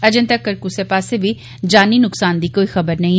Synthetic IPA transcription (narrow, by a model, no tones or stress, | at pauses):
əd͡ʒɪ̃nt̪əkːəɾkusepaːseʋiː | d͡ʒaːniːnʊksaːnd̪iːkoːiːxəbəɾnəĩː